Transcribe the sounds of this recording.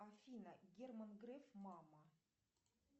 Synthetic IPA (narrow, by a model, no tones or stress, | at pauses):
afʲinəɡʲermənɡɾɛfmɑmə